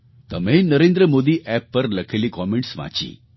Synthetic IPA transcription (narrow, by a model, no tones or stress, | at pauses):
t̪əmẽnəɾẽnd̪ɾəmod̪iːʔɛpːəɾləkʰeliːkɔmeɳʈsʋã̰t͡ɕḭː